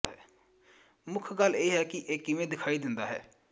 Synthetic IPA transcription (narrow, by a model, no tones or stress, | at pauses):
ɛː | mʊkʰɡəleːɦɛːkɪʔeːkɪʋẽːd̪ɪkʰaːiːd̪ɪnd̪a̰ːɦɛ̰ː